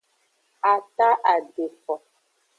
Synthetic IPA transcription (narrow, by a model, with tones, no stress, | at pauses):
a˨ta˦ʔa˨de˨fɔ˨